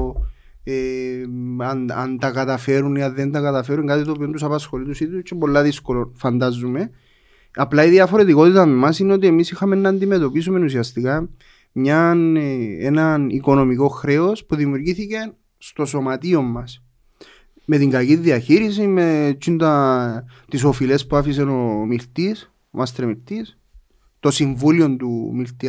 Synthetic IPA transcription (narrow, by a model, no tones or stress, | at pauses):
e | ɐnɐ̰nt̪ɐkɐt̪ɐfe̞ɾuniɐnðe̞nt̪ɐkɐt̪ɐfe̞ɾuŋkɐt̪it̪oːpio̞nt̪usɐpɐsxo̞lit̪usit̪ust͡ʃːepo̞lːɐðisko̞lo̞nfɐnd̪ɐzːume̞ | ɐplɐiðiɐfo̞ɾe̞t̪iko̞t̪it̪ɐmemɐsineo̞t̪̬ie̞misixɐmenːɐːnd̪ime̞t̪o̞pisume̞nusiɐst̪ikɐ | mɲɐnḛnɐniko̞no̞miko̞xɾe̞o̞spuðimjuɾʝiθicen | st̪o̞so̞mɐt̪io̞mːɐs | me̞t̪iŋɡɐciðiɐçiɾisimet͡ʃʰːint̪ɐ | t̪is̬o̞file̞spuafis̬eno̞milt̪is | mɐst̪ɾemilt̪is | t̪o̞siɱvulio̞nt̪ṵmilt̪i